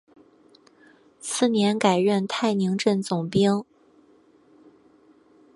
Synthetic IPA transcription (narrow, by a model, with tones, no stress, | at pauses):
sʰɹ̩˥˩njɛ˧˥nka˨˩ɪɻə˥˧nt̪ʰa˥˩ɪni˧˥ŋʈ͡ʂə˥˩nt͡sʊ˨˩ŋpi˥ŋ